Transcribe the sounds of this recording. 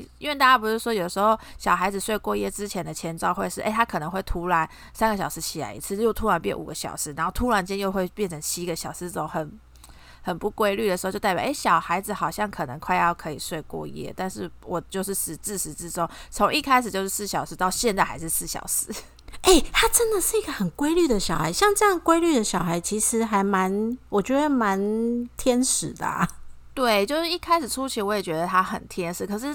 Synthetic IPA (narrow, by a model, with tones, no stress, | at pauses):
i˧˥nwɛ˥˧t̪a˥˧t͡ɕja˥pu˧˥ʂ̩˥˩ʂwɔ˥jo˨˩ʊə˦˩ʂɻ̩˧xo˥˩ʊɕjɑ˨˩ʊxa˧˥ɪd͡z̩˨ʂwe˥˧ɪkwɔ˥˧jɛ˥˩ʈ͡ʂɻ̩˥t͡ɕʰjɛ˧˥nd̪ə˨t͡ɕʰjɛ˧˥nʈ͡ʂɑ˥˧ʊxwe˥˧ɪʂɻ̩˥˩ʔḛ˥˩ɪa˥kʰɤ˨˩ə˧˦ŋxwe˥˩ɪt̪ʰu˧˥la˧˦n | sa˥nɡə˨˩ɕjɑ˨˩ʊʂɻ̩˧˦t͡ɕʰi˨˩la̰˧˥ɪḭ˧˥t͡sʰɹ̩˥˧˨jo˥˩ʊt̪ʰu˧˥la˧˥npjɛ˥˩nʔṵ˨˩ɡə˦ɕjɑ̰˨˩ʊʂɻ̩˧˥na˧˦nxo˥˩ʊt̪ʰu˦˥la˧˥nt͡ɕjɛ˥njo˥˧ʊxwe˥˧ɪpjɛ˥˩nʈ͡ʂʰə˧˥ŋt͡ɕʰi˦˥ɡə˨ɕjɑ˨˩ʊʂ̩˧˥ɤ˥˩o˨˦ŋxə˨˩n | xə˨˩npu˥˩kwe˥ɪly˥˩d̪ə˩ʂɻ̩˧˥˧t͡ɕjt̪a˥˩pj̰ɑ̰˨˩˦ɪɕjɑ˨˩ʊxa˧˥ɪd͡zɹ̩˨˧xɑ˨˩ʊɕjɑ˥˩ŋkʰɤ˨˩nə˧˦ŋkʰwa˥˧ɪjɑ˥˩ʊkʰɤ˧˥i˨˩ʂwe˥˧ɪkwɔ̰˥˩jɛ̰˥t̪a˥˧nʂɻ̩˥˩wʔɔ˨˩t͡ɕjo˥˧ʊʂ̬̩˥˩ʂɻ̩˧˥t͡sɻ̩˥˩ʂɻ̩˧˥t͡sɻ̩˥ʈ͡ʂo˥ŋt͡sʰo˧˥ŋi˥˧kʰa˥ɪʂ̩˨˩t͡ɕjo˥˧ʊʂɻ̩˥˧sɹ̩˥˩ɕjɑ˨ʊʂ̩˧˥t̪ɑ˥˧ʊɕjɛ˥˧nt͡sa˥˩ɪxa̰˧˥ɪʂɻ̩˥˧sɹ̩˥˩ɕjɑ̰˨˩ʊʂɻ̩˧˥ | e˥˩ɪt̪ʰa˥ʈ͡ʂə˦˥nd̪ə˨ʂɻ̩˥˩i˦˥ɡə˨xə˨˩nkwe˥ɪly˥˩d̪ə˨ɕjɑ˨˩ʊxa˧˥ɪɕjɑ˥˧ŋʈ͡ʂɤ˥˧jɑ˥˩ŋkwe˥ɪly˥˩d̪ə˨˩ɕjɑ˨ʊxa˧˥ɪt͡ɕʰi˧˥ʂɻ̩˧˥xa˧˥ɪma˧˦nwɔ˨˩t͡ɕɥɛ˧˥d̪ə˧ma˧˦nt̪ʰjɛ˥nʂɻ̩˨˩˦d̪ə̰˨˩ | t̪we˥˩ɪt͡ɕjo˥˧ʊʂɻ̩˥˩i˥˩kʰa˥ɪʂɻ̩˨˩ʈ͡ʂʰu˥t͡ɕʰi˧˥wɔ˧˦jɛ˨˩t͡ɕɥɛ˧˥d̪ə˨t̪ʰa˦˥xə̰˨˩nt̪ʰjɛ˥nʂɻ̩˧˥kʰɤ˨˩ʂ̬ɻ̩˥˩